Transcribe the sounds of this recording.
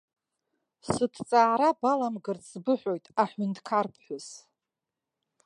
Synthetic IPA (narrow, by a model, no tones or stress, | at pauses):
sɨtʰt͡sʼaːɾabalamɡɨrt͡sʰʼːbɨħʷᶣojtʼaħʷʏntʰʼkʰarpʰħʷʊz